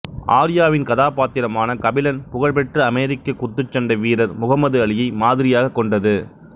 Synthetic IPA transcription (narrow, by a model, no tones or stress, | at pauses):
ʔaːɾɪjaːʋɪnkɐðaːpaːt̪ːɪɾɐmaːnɐkɐbɪlɐnpʊɣɐɭpɛʈrɯɐmɛːɾɪkːɐkːʊt̪ːɯt͡ʃːɐɳɖɐʋiːɾɐɾmʊɣɐmːɐðɯɐɭɪjɐɪmaːðɪɾɪjaːɣɐkːɔɳɖɐðɯ